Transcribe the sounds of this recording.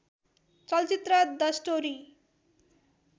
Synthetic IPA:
t͡sʌlt͡sit̪rʌd̪ʌsʈoɾi

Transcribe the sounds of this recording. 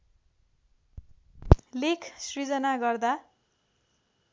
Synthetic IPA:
lekʰsrid͡zʌnaɡʌrd̪a

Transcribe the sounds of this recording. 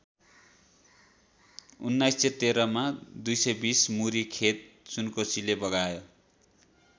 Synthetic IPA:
ṵnːajset̪eɾʌmad̪ujsʌjbismuɾikʰet̪̚sunkosilebʌɡajo

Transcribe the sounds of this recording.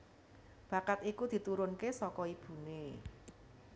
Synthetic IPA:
b̥ä̤kat̪ikud̪̥i̤t̪uɾʊnkesɔkɔib̥ṳne

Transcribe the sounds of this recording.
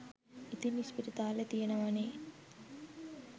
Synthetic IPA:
it̪inispiɾit̪aːlet̪ijenəʋane

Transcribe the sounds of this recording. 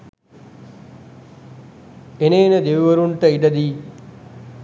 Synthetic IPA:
eneːnəd̪eʋiʋɐɾuɳʈəiɖɐd̪iː

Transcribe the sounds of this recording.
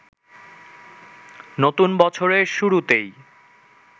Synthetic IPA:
not̪unbɔt͡ɕʰoɾeʃuɾut̪ej

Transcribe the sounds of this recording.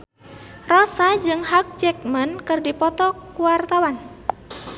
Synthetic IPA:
rɔsad͡ʒɨŋɦak̚t͡ʃɛk̚mənkɨrdipɔt̪ɔkuwart̪awan

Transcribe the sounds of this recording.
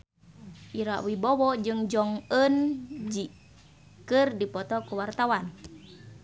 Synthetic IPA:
ʔiɾa̰ʔwibɔwɔd͡ʒɨŋd͡ʒɔŋənd͡ʒi | kɨrdipɔt̪ɔkuwart̪awan

